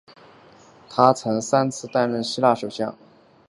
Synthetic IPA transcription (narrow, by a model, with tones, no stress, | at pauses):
t̪ʰa˥t͡sʰɤ˧˥ŋsa˥nt͡sʰɹ̩˥˧t̪a˥˧nɻə˥˩nɕi˥la˥˩ʂo˨˩ʊɕjɑ˥˩ŋ